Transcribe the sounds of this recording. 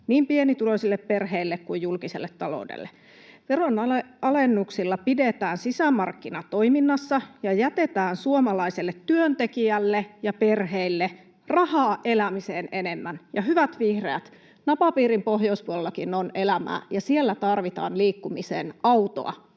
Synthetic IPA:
niːmpienit̪uloisilːepperɦeilːekkujjulkisḛlːet̪tɑlo̰ˑudḛlːe | ʋeronɑleɑlenːuksilːɑpidet̪æːnsisæmɑrkːinɑt̪oiminːɑsːɑjɑjæt̪et̪æːnsuomɑlɑiselːet̪tyønt̪ekiælːejɑperheilːe | rɑhɑːʔelæmiseːnenemːænjɑɦyʋæt̪ʋihreæt̪ | nɑpɑpiːrimpohjouspuolelːɑkinonelæmæ̰ːjɑsielːæt̪ɑrʋit̪ɑ̰ːnliːkːumisḛːnɑut̪o̰ɑ̰

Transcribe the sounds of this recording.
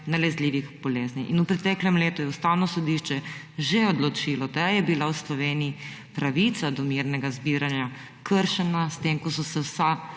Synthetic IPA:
nalɛzliːʋiɣbɔleːzniʔinupɾɛt̪ɛːklɛmleːt̪ujɛust̪awnɔsɔd̪iʃt͡ʃɛ | ʒeɔd̪lɔt͡ʃilɔd̪ajɛbilawslɔʋeːniipɾaʋit̪sad̪ɔmiɾnɛɡazbiɾanja | kʰəɾʃɛnast̪emkɔsɔsɛwsa

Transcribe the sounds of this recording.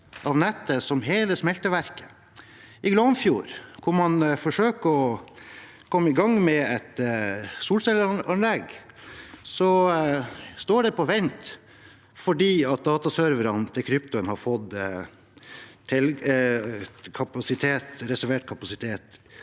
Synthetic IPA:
ʔɑʋnɛt̪ʰːəsɔmɦeːləsmɛlt̪əʋæɾkə̥ | ʔɪɡlɔmfjṵːɾkʰʊɾmɑnfɔʂøːkəɔ | kʰɔmːəɪɡɑŋːmɛɛt̪suːlsɛlɑnlɛɡ | sɔ | st̪oːɖɛpʰɔʋɛnt̪ | fɔɖiːɑt̪̚d̪ɑːt̪ɑsœɾʋəɾɑnt̪ʰɪlkʰɾʏpt̪ʊənhɑɾfɔd̪ | t̪ʰɛl | kʰɑpɑsɪt̪ʰeːt̪ɾɛsæɾʋeːʈkʰɑpɑsɪt̪ʰeːt̪

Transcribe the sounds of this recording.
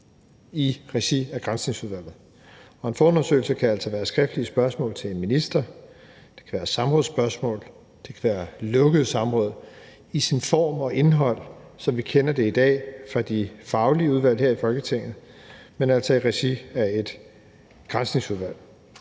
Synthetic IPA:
iʁesiæɡ̥ʁansneŋsuðˠʋæl̰ð̩ˠ | ɒ̽e̝nfɒːonɐsø̰ːɪl̩səkʰææl̰sɒʋæːɐsɡ̥ʁɛfd̥liəsb̥ɶɐsmɔ̰̽ːlt͡sʰe̝lenminisd̥ɐ | d̥e̝̥kʰæʋæːɐsɑ̈mʁɔ̽ðˠsb̥ɶɐsmɔ̰̽ːl | d̥e̝kʰæʋæːɐlɔ̽ɡ̥əð̩ˠsɑ̈mʁɔ̽ːð̞̰ˠ | isinfɒ̰ːmɒ̽ʔe̝nɦɒ̽l̰ | sɒ̽mʋikʰenɐd̥e̝id̥ɛ̰ːfʁɑ̈d̥ifɑ̈ʊliəuð̞ˠʋæl̰he̝ɐ̰ifɒ̽lɡ̥ət͡sʰe̝ŋ̰ð̩ˠ | menæl̰sɒ̽iʁesiæɐe̝d̥ | ɡ̥ʁansniŋsuð̞ˠʋæl̰

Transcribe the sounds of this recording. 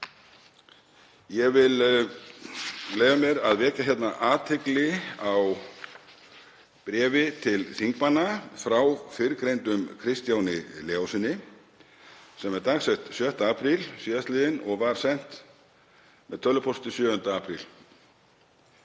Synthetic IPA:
jɛɣvɪl | leːjvamjɛɾaðvɛːcaçjɛt̪naʔaːt̪ʰɪklɪaw | pɾɛːvɪt̪ʰɪlθiŋk̚manːafɾawfɪɾkɾejnt̪ʏmkʰɾɪst̪jawnɪlɛːawsɪnːɪ | sɛmɛɾt̪aːxsɛht̪sjœn̥t̪aaːpʰɾilsiːðast̪lɪːðɪnɔɣvaɾ̥sɛn̥t̪ | mɛðt̪ʰœlːʏpʰɔst̪ɪsjœːʏnt̪aaːpʰɾḭl

